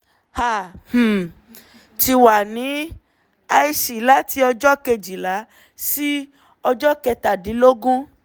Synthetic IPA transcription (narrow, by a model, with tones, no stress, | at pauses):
ha˨h̩˨ | ti˧wa˨nĩ˨˦ | a˧i˧ʃi˨˦la˦ti˧˦ɔ˧d͡ʒɔ˦ke˧d͡ʒi˨la˨˦ | si˦ | ɔ˧d͡ʒɔ˦kɛ˧ta˨di˨˦lo˦ɡũ˦